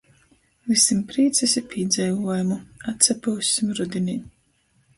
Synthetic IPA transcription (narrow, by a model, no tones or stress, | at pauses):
visimpɾiːt̪sɛsʲipʲiːd̪zʲɛjvuɔjumuat̪sʲɛpuwsʲimɾud̪ʲinʲim